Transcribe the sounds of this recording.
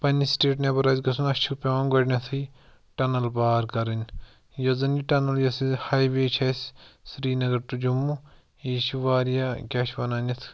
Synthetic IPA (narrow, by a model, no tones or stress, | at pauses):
pɐnisʈeːʈnɐbɐɾɐzɡɐsunɐʃʰupʲeʋaːnɡɐʈnʲɐt̪ʰɨ | ʈɐnɐlbaːɾkɐɾɐnʲ | jozɐniʈɐnɐljɐsihaːjʋeːt͡ʃʰɐssɾiːnɐɡɐɾt̪ud͡ʒumːu | iːʃuʋaːɾjakʲaːʃʰʋɐnaːnɐt̪ʰ